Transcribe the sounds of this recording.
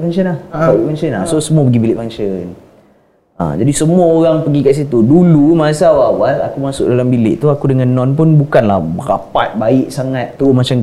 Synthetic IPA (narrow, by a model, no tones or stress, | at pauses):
fant͡ʃənahlʔfant͡ʃənlasosəmuap̬əɡibilɪʔfant͡ʃən | ã̰d͡ʒadisəmuaoɾaŋpəɡikaʔs̬it̪udulumasawawala̰kumasʊk̚dalambilɪ̰ʔt̪uakudəŋãnːɔ̃npʊnbukanla̰hbəɾa̰pat̪̚baɪʔsaŋat̪̚ːumat͡ʃam